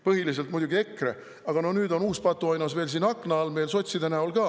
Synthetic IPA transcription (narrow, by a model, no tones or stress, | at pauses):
pɤɦilis̬e̞lt̪mujd̪uɡie̞kːˑre | ɑɡ̥ɑno̞hnyːd̪o̞nuːspɑt̪ːˑuɑjnɑsve̞ːlsiːnɑkːˑnɑɑlme̞ːlso̞t̪ʲsid̪æneolɡɑː